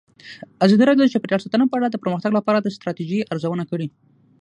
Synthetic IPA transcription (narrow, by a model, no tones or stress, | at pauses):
azɑd̪iɾɑd̪jod̪t͡ʃepəɾjɑsat̪ənapəaɽad̪əpəɾməxt̪aɡlapɑɾad̪əst̪ɾɑt̪iʒiʔaɾzawənakəɽi